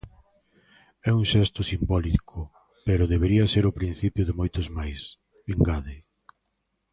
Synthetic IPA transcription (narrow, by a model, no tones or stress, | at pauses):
ɛuŋʃɛst̪ʊsimbɔlikʰʊ | peɾʊðeβeɾiɐseɾʊpɾĩn̟θipjʊðɪmojt̪ʊzmajs | eŋɡaðɪ